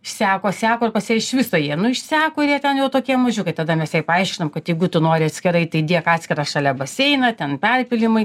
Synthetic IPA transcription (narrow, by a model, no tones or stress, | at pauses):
ɪʃsʲæːkoːsʲæːkoːɪrpɐsʲɛɪʃʲʋʲɪsoːjiɛnʊɪʃʲsʲæːkoːɪɾjiɛt̪ʲɛnjɛʊt̪oːkʲiɛmɐʒʲʊkɐɪt̪ɐd̪ɐmʲɛsjɛpɐɐɪʃʲkʲɪnɐmkɐt̪jɛɪɡʊt̪ʊnoːɾʲɪɐt̪ʲsʲkʲɪɾɐɪt̪ɐɪd̪ʲiɛkɑːtʲsʲkʲɪɾɑːʃɑlʲɛbɐsʲɛɪnɐt̪ʲɛnpʲɛrʲpʲɪlʲɪmɐɪ